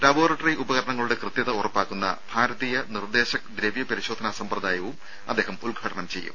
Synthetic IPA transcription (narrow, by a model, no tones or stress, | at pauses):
lɐbo̞ːrɐʈːɐriʔubɐɣɐɾɐɳɐŋːɐɭuɽe̞krɨt̪jɐðɐurɐpːaːkːunːɐ̰b̥ʱaːɾɐðijɐnird̪e̞ːɕɐk̚d̪ɾeʋjɐpɐɾiɕo̞ːd̪ʱɐnaːsɐmprɐd̪aːjɐʋum | ɐd̪ːeːɦɐmulɡʱɐʈɐɳɐmt͡ɕe̞jːṵm